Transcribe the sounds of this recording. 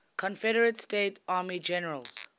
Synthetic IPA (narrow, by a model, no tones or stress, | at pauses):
kʰɔ̃nfɛɾəɹətsteːtaːmid͡ʒɛnəɹəlz̥